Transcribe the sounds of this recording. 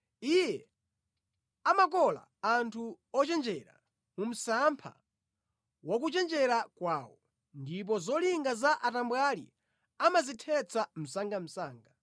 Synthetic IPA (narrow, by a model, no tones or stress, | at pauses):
ijɛ | amakɔla̰ːntʰu | ɔt͡ʃɛnd͡ʒɛɾa̰ | mum̩sampʰa̰ | wɔkut͡ʃɛnd͡ʒɛɾakwaːwɔ | ndip̬ɔzɔliŋɡazaʔatambwalḭ | amazitʰɛt͡sʰam̩saŋɡam̩saːŋɡa